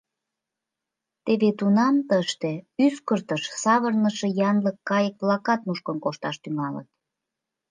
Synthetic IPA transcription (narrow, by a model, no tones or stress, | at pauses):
t̪eβet̪unɑmt̪əʃt̪eyskərt̪əʃsɑβərnəʃejɑnləkːɑjək̚βlɑkɑt̪muʃkənkoʃt̪ɑʃt̪yŋɑlə̰t̪̚